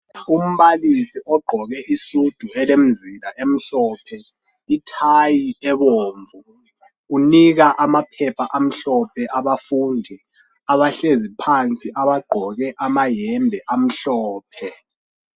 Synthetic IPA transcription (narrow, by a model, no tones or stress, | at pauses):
um̩βalisiʔɔɡ͡ǃʱɔɣɛʔisud̥ʱuɛlem̩zilaʔem̩ɬɔːpʰɛ | itʰajiɛβoːɱvu | uniɣaʔamapʰɛpʰaʔam̩ɬɔpʰɛʔaβafuːndʱɛ | aβaɬezipʰant͡sʼiʔaβaɡ͡ǃʱɔɣɛʔamajɛmbʱɛʔam̩ɬɔːpʰɛ